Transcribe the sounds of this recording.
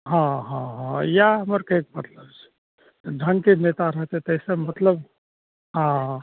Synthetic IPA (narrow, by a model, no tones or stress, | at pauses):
ɦãɦãɦãjaɦəməɾkek̚mət̪ləbt͡ʃʰ | t̪ɖʱəŋkenet̪aɾəɦt̪et̪əɦsẽmət̪ləb | ɦã